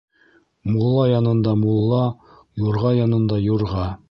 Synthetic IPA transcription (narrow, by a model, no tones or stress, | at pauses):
mulˠːɑjɑnɤ̆nd̪ɑmulˠːɑ | juɾʁɑjɑnɤ̆nd̪ɑjŭɾʁɑ